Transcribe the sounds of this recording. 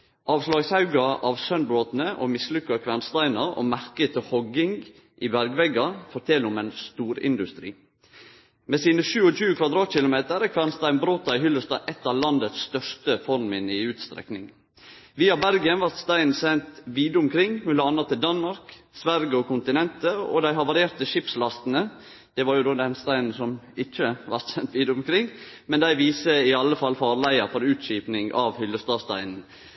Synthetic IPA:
ʔɑːʋslɑːɡsɑʉɡɑʔɑːʋsœnbɾoːt̪nəʔo̰ːmɪslʉkːɑkʰʋæːnst̪æɪnɑɾo̰ːmæɾkət̪ʰɪhɔɡɪŋ | ʔɪbæɾɡʋɛɡɑfɔt̪ʰɛlʊmɛnst̪uːɾɪ̰nd̪ʉst̪ɾḭː | meːsiːnəʃʉːɔɕʉːəkʰʋɑd̪ɾɑːt̪çɪlʊmeːt̪əɾækʰʋæːnst̪æɪnbɾoːt̪ɑɪɦʏlːəst̪ɑ̰ːʔɛt̪ːɑʋlɑnd̪ət̪sːt̪œʂt̪əfɔɾmmɪnəɪʉːt̪st̪ɾɛ̰knɪŋ | ʋiːɑbæɾɡənʋɑɾt̪st̪æɪnn̩sɛnt̪ʋiːd̪əʊmkʰɾɪŋmʉləɑnːɑt̪ʰːɪld̪ɑnmɑɾksʋæɾɡəɔkʊnt̪ɪnɛnt̪əɔ̰d̪æɪɦɑʋɑɾɪeːɾt̪əʃɪpslɑst̪n̩ə | d̪̥ɛʋɑɾjʊd̪oːd̪ɛnst̪æɪnn̩sɔmɪçːəʋɑɾt̪sɛnt̪ʋiːd̪əʊmkʰɾɪŋːmɛnd̪æɪʋiːsəɪɑlːəfɑlfɑːɾɭæɪəfɔɾʉːt̪ʃiːpnɪŋɑʋhʏlːəst̪ɑːst̪æ̰ɪnn̩

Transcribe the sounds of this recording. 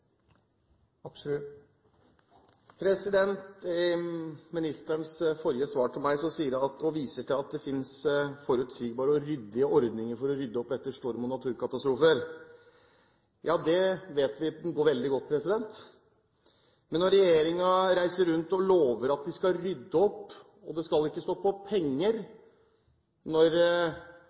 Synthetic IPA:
pʰɾɛsɪd̪ɛnt̪ | mɪnɪst̪əɳsfɔɾjəsʋɑːʈʰɪlmæɪsɔsiːəɾjɑɑt̪ɔʋiːsəʈʰɪlɑt̪̚d̪ɛfɪnsfɔɾʉt̪siːɡbɑːɾəɔɾʏd̪ːɪəɔɾd̪nɪŋəɾfɔɾɔɾʏd̪ːəɔp̪ɛt̪ːəʂʈuːɾəmʊnɑt̪ʰʉːɾkɑt̪ɑst̪ɾuːfəɾ | jɑːd̪ɛʋeːt̪ʋɪɡoːɾʋɛld̪ɪɡɔt̪ːpʰɾɛsɪd̪ɛnt̪ | mɛnːɔɾɛjeːɾɪŋɑɾæɪsəɾʉnt̪ɔloːʋəɾɑt̪̚d̪ɪskɑɾʏd̪ːəɔpː | ɔd̪ɛskɑlɪkːəst̪oːpʰɔpʰɛŋːəɾ | nɔɾ

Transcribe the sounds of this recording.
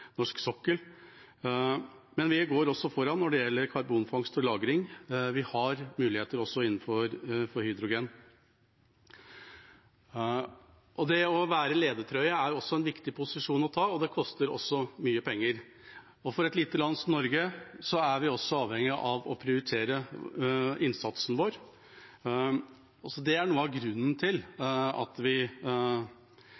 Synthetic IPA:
nɔʂksɔkːəl | mɛnʋɪɡoːɾɔsːɔfɔɾɑnːɔɖɛjɛlːəɾkʰɑɾbuːnfɑŋst̪ɔlɑːɡɾɪŋʋɪhɑɾmʉːlɪheːt̪əɾɔsːɔɪn̩ːfɔɾfɔɾhʏd̪ɾʊɡeːn | ʔɔd̪ɛɔʋæːɾəleːd̪ət̪ʰɾœʏəæɾjʊɔsːɔɛnʋɪkt̪ɪpʰʊsɪʂuːnɔt̪ʰɑːɔd̪ɛkʰɔst̪əɾɔ̰sːɔmyːəpʰɛŋːəɾ | ɔfɔɾɛt̪lit̪ːəlɑnsɔmnɔɾɡəsɔæɾʋɪɔsːɔɑːʋhɛŋːɪʔɑʋɔpʰɾɪʊɾɪt̪ʰeːɾə | ɪnsɑt̪sn̩ʋoːɾ | sɔd̪ɛæɳuːəɑʋɡɾʉnːn̩t̪ʰɪlɑ̰t̪ʋɪ

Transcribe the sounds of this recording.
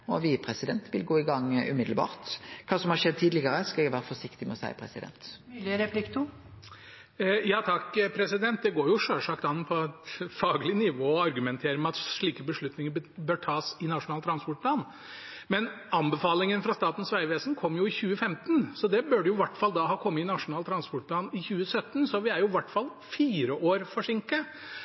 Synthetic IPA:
ɔʋɪpʰɾɛsɪd̪ɛnt̪ʋɪlɡoːɪɡɑŋːʉ̰mɪd̪lbɑ̰ːʁt̪kʰɑːsɔmhɑɾʂɛd̪̚t̪ʰiːd̪lɪɡəɾəskɑɛɡʋæːɾəfɔʂɪkt̪ɪmɛɔsæ̰ɪpʰɾɛ̰sɪ̰d̪ɛ̰nt̪ːlɾɛpʰlɪkt̪ʰʊ | jɑːt̪ʰɑkpʰɾɛsɪd̪ɛnt̪̚d̪ɛɡoːɾjʊʂøːʂɑkt̪ɑnːpʰɔɛt̪fɑːɡəlɪnɪʋoːɔɑɾɡʉmɛnt̪ʰeːɾəmɛɑt̪ʂɭiːkəbəʂɭʉt̪nɪŋəɾbøːʈʰɑːsɪnɑʂʊnɑːlt̪ʰɾɑnspɔʈ̚pʰlɑːn | mɛn | ɑnbəfɑːlɪŋənfɾɑst̪ɑːt̪n̩sʋæɪʋeːsənkʰɔmːjʊɪçʉːəfɛmt̪nsɔd̪ɛbøɖəjʊʋɑʈːfɑld̪ɑhɑːkʰɔmːəɪnɑʂʊnɑːlt̪ʰɾɑnspɔʈpʰlɑːnɪçʉːəsœt̪ːənsɔʋɪæɾjʊʋæʈːfɑl | fiːɾəʔoːɾfɔʂɪŋkə

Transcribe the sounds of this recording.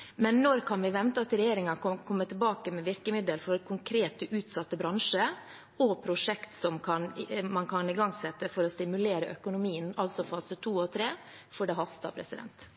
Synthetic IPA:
mɛnːɔɾkʰɑnʋɪʋɛnt̪ət̪ɾɛjeːɾɪŋɑkɔkʰɔmːət̪ʰɪlbɑːkəmɛʋɪɾkəmɪd̪əlfɔɾkʰʊŋkʰɾeːt̪əʔʉːt̪sɑt̪ːəbɾɑŋʂə | ɔpʰɾʊʂɛkt̪sɔmkʰɑnmɑnkʰɑnɪɡɑŋsɛt̪ːəfɔɾɔst̪ɪmʉleːɾə̰ʔœ̰kʊnʊmiːənɑlsɔfɑːsət̪ʰuːɔt̪ʰɾeː | fɔɖɛɦɑst̪ɑ̰pʰɾɛ̰sɪd̪ɛ̰nt̪

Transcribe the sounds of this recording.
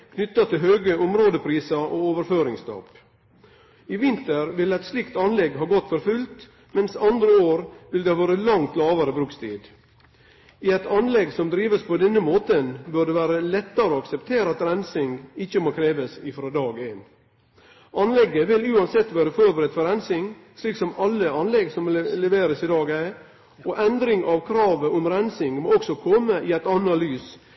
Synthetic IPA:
kʰnʏt̪ːɑt̪ʰɪlɦøːɡəʊmɾoːd̪əpʰɾiːsɑʔooːʋəɾføːɾɪŋst̪ʰɑ̰p | ɪʋɪnt̪əɾʋɪlæɪt̪slɪkt̪ɑnlɛɡɦɑːɡɔt̪ːfɔɾfʉlt̪ | mɛnsɑnd̪ɾəoːɾʋɪld̪ɛhɑʋɑːɾəlɑŋt̪lɑːʋɑɾəbɾʉːkst̪ʰḭːd̪ | ɪɛɪt̪ʰɑnlɛɡsɔmd̪ɾiːʋəspʰɔd̪ɛnːəmoːt̪ənbœɖɛʋæːɾəlɛt̪ːɑɾəoːɑksɛpt̪ʰeːɾəɑt̪ɾænsɪŋɪçəmoːkʰɾeːʋəsɪfɾod̪ɑːɡeːn | ʔɑnlɛɡəʋɪlʉːɑnsɛt̪ːʋæːɾəfɔɾbəɾɛd̪fɔɾænsɪŋ | ʂliːksɔmɑlːəɑnlɛɡsɔmlɛʋeːɾəsɪd̪ɑːɡæɪ | ɔʔɛnd̪ɾɪŋʔɑʋkʰɾɑːʋəɔmɾænsɪŋmoːɔksɔkʰɔməʔɪæɪt̪ɑnːɑlyːs

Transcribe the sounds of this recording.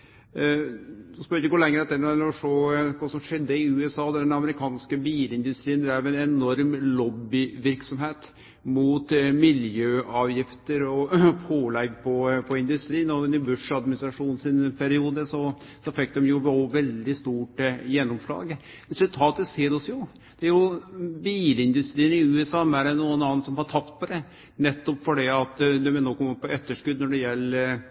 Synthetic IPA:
ɔspœɾɪkːəkʊlɛŋːɾəɑt̪ːɛnɛlɾɔʂoːkʰɑːsɔmʂɛd̪ːəɪʉːɛsɑːd̪ɛd̪ɛnɑməɾɪkʰɑːnskəbiːlɪnd̪ʉst̪ɾiːənd̪ɾæʋɛnɛnɔɾmlɔbːɪʋɪɾksɔmheːt̪ | muːt̪mɪljøːɑːʋjɪft̪əɾɔpʰoːlɛɡpʰɔpʰɔɪnd̪ʉst̪ɾiːnɔnɪbʉʂɑd̪mɪnɪst̪ɾɑʂuːnnsɪnpʰɛɾɪuːd̪əsɔsɔfɛk̚ːd̪ɛmjʊʋoʋɛld̪ɪst̪uːʈjɛnːɔmslɑ̰ːɡ | ɾɛsʉlt̪ʰɑːt̪əseːɾɔsjʊ | d̪̥ɛæɾjʊbiːlɪnd̪ʉst̪ɾiːənɪʉːɛsɑːmæɖɛnuːənɑːnt̪sɔmhɑʈʰɑpt̪̚pʰɔd̪ɛ | nɛt̪ːɔpfɔɖiɑt̪d̪ɛmɛnoːkʰɔmːəpːɔɛt̪ːəʂkʉd̪nɔɖɛjɛlː

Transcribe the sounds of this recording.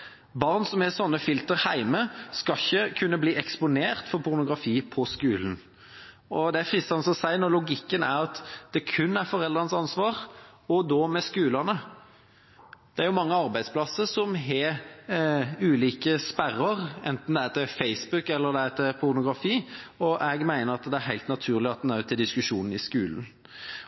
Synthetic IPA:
bɑʁnsɔmhɛsɔnːəfɪlt̪əɾhæɪməskɑçəkʰʉnːəbliːʔɛkspʊneːʁt̪fɔʁpʰʊɾnʊɡɾɑfiːpʰɔskʉːln̩ | ɔd̪ɛæfɾɪsɑnəsɔsæɪnɔɾlʊɡɪkːənæɾɑt̪d̪̥ɛkʰʉnːæɾfɔɾɛld̪ʁɑnəsɑnsʋɑːʁ | ɔd̪ɔːmɛskʉːlənə | d̪̥ɛæɾjʊmɑŋːəɑɾbæɪd̪spʰlɑsːəɾsɔmɦɛ | ʉːliːkəspæɾəɾɛ̰nt̪n̩d̪ɛæɾt̪ɪfæɪsbʉkːɛlːəɾd̪ɛæt̪ɛpʰʊɾnʊɡɾɑfiːɔʔɛɡmæɪnəɾɑt̪d̪ɛæɾɦæɪt̪nɑt̪ʰʉːʁlɪɑt̪̚d̪næʉt̪ʰːɪld̪ɪskʉʂuːnən̩ɪskʉːln̩

